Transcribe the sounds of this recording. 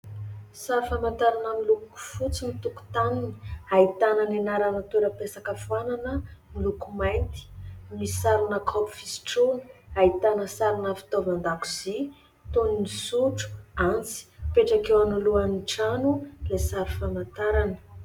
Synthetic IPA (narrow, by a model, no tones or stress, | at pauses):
saɾufamant̪aɾanəmiluku̥fut͡simit̪uku̥t̪anini̥ait̪ananenaɾanat̪eɾəpesakəfuananəmilukumajnt̪i̥misaɾinəkʰɔpi̥fisi̥ʈ͡ʂuni̥ait̪anəsaɾinəfi̥t̪ovinand̪aku̥z̥i | t̪oninisuʈ͡ʂu̥ant͡si̥peʈ͡ʂakewanuluaniʈ͡ʂanulesaɾufamant̪aɾanə̥